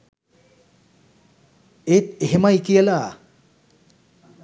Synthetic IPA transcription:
et̪eɦemajkijala

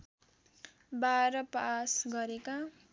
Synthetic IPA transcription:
baɾʌpasɡʌɾeka

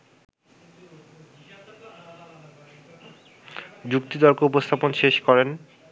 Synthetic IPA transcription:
d͡ʑukt̪it̪ɔɾkoupost̪ʰaponʃeʃkɔɾen

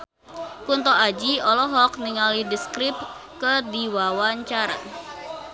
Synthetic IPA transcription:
kunt̪ɔʔad͡ʒiɔlɔɦɔk̚niŋalidiskɾɪp̚kədiwawaɲt͡ʃaɾa̰

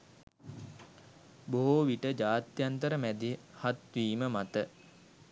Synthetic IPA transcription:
boɦoʋiʈəd͡ʒaːt̪jant̪əɾəmæd̪ihat̪ʋiːməmat̪ə

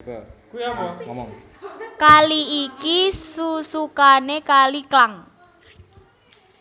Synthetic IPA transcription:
kaliikisusukanekaliklaŋ

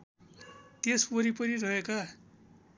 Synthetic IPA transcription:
t̪eswʌɾipʌɾiɾʌɦeka

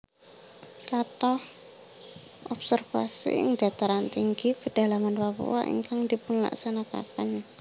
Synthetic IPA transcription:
kat̪ɔh | ʔɔbsərfa̰sḭə̰ŋdat̪aɾant̪iŋɡikəd̥a̤lamanpapṵwa̰ʔḭŋkaŋdipʊnla̰ksanaka̰pan

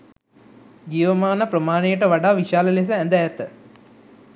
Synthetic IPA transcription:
d͡ʒiːʋəmaːnəpɾəmaːnejəʈəʋaɖaːʋiʃaːləles̬əænd̪əjæt̪ə

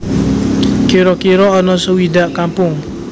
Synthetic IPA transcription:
kiɾɔkiɾɔːnɔsəwidaʔkampʊŋ

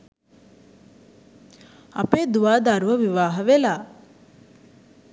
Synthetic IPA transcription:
ɐpeːd̪uʋaːd̪aɾuʋəʋiʋaːɦəʋelaː

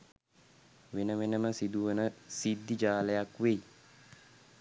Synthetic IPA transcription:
ʋenəʋenəməsid̪uʋənəsid̪ːid͡ʒaːləjakʋej

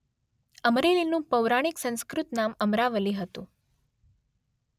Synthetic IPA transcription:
əmɾelinũpəwɾaɽ̃iksə̃ñskɾut̪naməmɾaʋəliɦət̪ṵ̃

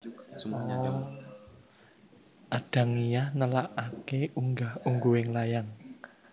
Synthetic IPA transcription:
ʔaɖ̥ä̤ŋijahnəlaʔakeuŋɡahuŋɡuwɪŋlajaŋ

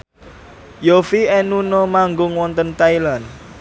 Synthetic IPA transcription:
jofiɛnunɔmaŋɡʊŋwɔnt̪ənt̪ailan

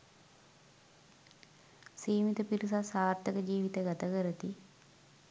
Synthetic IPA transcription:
siːmit̪əpiɾisasaːrt̪əkəd͡ʒiːʋit̪əɡat̪əkəɾət̪i

